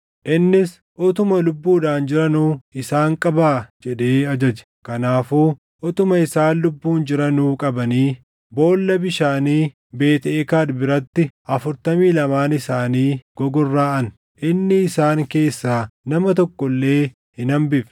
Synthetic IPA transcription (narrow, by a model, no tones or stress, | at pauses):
ʔɪnːɪs | ʔɔt̪ʊmɐlʊbːuːᶑaːnd͡ʒɪɾɐnuːɪsaːŋkʼɐbaːd͡ʒɛɗeːɐd͡ʒɐd͡ʒɛ̥kɐnaːfuː | ʔɔt̪ʊmɐɪsaːnlʊbːuːnd͡ʒɪɾɐnuːkʼɐbɐniː | bo̞ːlːɐbɪʃaːniː | be̞ːt̪eːkaːdbɪɾɐt̪ːɪʔɐfʊɾt̪ɐmiːlɐmaːnɪsaːniːɡ̥ɔɡɔrːaːɐn | ʔɪnːɪːsaːŋke̞ːsːaːnɐmɐt̪ɔkːɔlːe̞ː | hɪnɐmbɪf